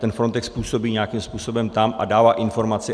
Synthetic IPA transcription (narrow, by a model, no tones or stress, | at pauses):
t̪ɛnfɾo̞nt̪ɛkspuːso̞biːɲɛakimspuːso̞bɛmt̪amʔa̰daːvaːʔɪnfo̞ɾmat͡sɪ